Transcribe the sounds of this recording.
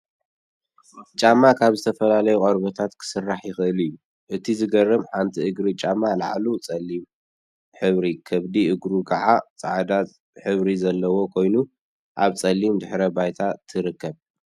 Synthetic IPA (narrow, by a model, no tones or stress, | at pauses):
t͡ʃʼamːakʰaβzɨt̪ʰɐfɐlalɐjuqʼɐɾbɐt̪ʰat̪kʰɨ̥sɨrːaħjɪxɨʔɨlijːu | ʔɨt̪ʰizɨɡɐrːɐmħant̪ʰiʔɨɡɾit͡ʃʼamːala̰ʕlut͡sʼɐlːim | ħɨβɾikʰɐβd̪iʔɨɡɾukʰɐʕat͡sʼaʕd̪at͡s | ħɨβɾizɐlːɐwo̞kʰo̞jnu | ʔaβt͡sʼɐlːimd̪ɨħɾɐbajt̪ʰat̪ʰɨɾɨkːɐβ